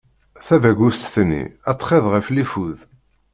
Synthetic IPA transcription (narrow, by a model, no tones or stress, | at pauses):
θævæɡust̪θnːḭæt̪ːˤχeðʁəflifuð